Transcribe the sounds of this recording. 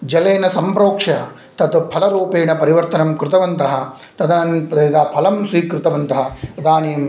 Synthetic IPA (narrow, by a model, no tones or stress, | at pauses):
d͡ʒɐleːnɐsɐmpɾoːkʂɐ | t̪ɐt̪upʰɐlɐɾuːpeːɳɐpɐɾiʋɐɾt̪ɐnɐmkɾut̪ɐʋɐnt̪ɐɦɐ̆ | t̪ɐd̪ɐnɐnpd̪eːɡaːpʰɐlɐmsʋiːkɾut̪ɐʋɐnt̪ɐɦɐd̪aːneːɐm